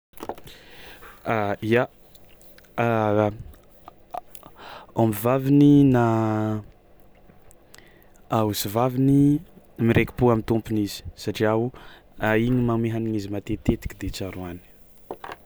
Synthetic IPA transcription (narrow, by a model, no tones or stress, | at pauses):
aia | ombivavinina | ausivavini | miɾʔeki̥puamint̪umpunizi̥saʈ͡ʂiauaiɲimameɦaniɲizimat̪et̪et̪i̥kʲid̪et͡saɾuani̥